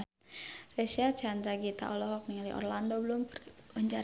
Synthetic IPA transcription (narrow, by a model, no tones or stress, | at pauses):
rɛsiat͡ʃand̪ɾaɡit̪a̰ʔɔlɔɦɔk̚niŋaliʔɔ̰rlandobəlumpuɲd͡ʒa